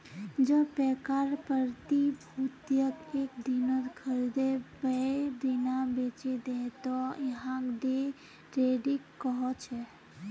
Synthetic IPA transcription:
d͡ʒəpɛkaɾpəɾt̪ibʱut̪jəkeːk̚d̪inət̪kʰəɾd̪ebəb̪inabeːt͡ʃed̪ẽt̪ɔjəɦãkɖe | ɾeːɖɪkːɔɦɔt͡ʃʰɛ

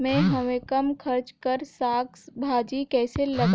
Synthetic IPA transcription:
mẽɦɐmẽkɐmkʰɐɾt͡ʃkəɾsaːksbʱaːd͡ʒikɛːselɐɡ

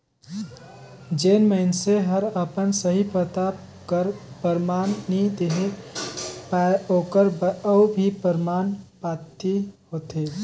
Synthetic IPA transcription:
d͡ʒenməɪnseɦəɾəpənsəɦipət̪a | kəɾpəɾmaːnːid̪eɦe | oːkəɾəbʱipəɾmanpat̪iɦoːt̪e

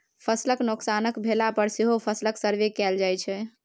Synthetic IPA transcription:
pʰəsləknoksanəkbʱelapəɾseɦopʰəsləksəɾʋekɛld͡ʒajt͡ʃʰɛ

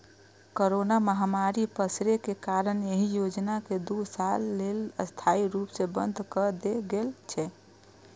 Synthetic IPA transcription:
koɾonaməɦamaɾipəsɾekekaɾəneɦijod͡ʒnaked̪usalːeləst̪ʰaiɾupsebə̰nd̪ʱkəd̪eɡelt͡ʃʰɛ

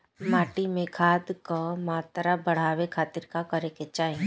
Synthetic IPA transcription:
maːʈimẽkʰaːd̪kəmaːt̪ɾabɐɽ̤aːʋekʰaːt̪iɾkakɐɾeket͡ʃaːɦi

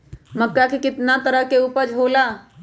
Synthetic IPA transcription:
mɐkːakekɪt̪nat̪əɾəɦkeuːpəɾd͡ʒʱoːlaː

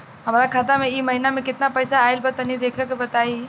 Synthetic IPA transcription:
ɦəmɾakʰaːt̪amẽiməɦinamẽkɪt̪napəjsaːɪlbət̪ənid̪eːkʰekebət̪aːi

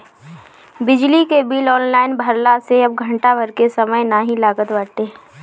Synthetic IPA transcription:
bɪd͡ʒlikebiːlɔːnlaːɪnbʱɐɾlaseɐb̚ɡʱɐ̃ɳʈabʱɐɾkesɐməjnaːɦĩlaːɡət̪ʋaːt̪e

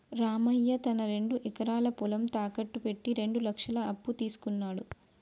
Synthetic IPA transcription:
ɾaːmɐjːɐt̪ɐnɐɾe̞ɳɖuʔikɐɾaːlɐpulɐmt̪aːkɐʈːupe̞ʈːiɾe̞ɳɖulɐkʂɐlɐɐpːut̪iːsu̥kunːaːɽu

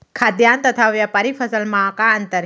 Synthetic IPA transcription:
kʰad̪jaːnt̪ɐt̪ʰaʋjapɐɾifʰəsəlmãkaɐnt̪əɾ

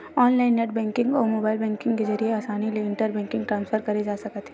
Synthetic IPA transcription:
ɔːnlaːɪnːɛʈ̚bɛ̃ːŋkɪ̃ŋɡɔːɾmoːbaːɪlbɛ̃ːŋkɪ̃ŋɡkezɐɾieaːsaːnileɪ̃ɳʈəɾbɛ̃ːŋkɪ̃ŋɡʈɾãːnsfəɾkɐɾed͡ʒaːsɐkət̪ɦɛ̥

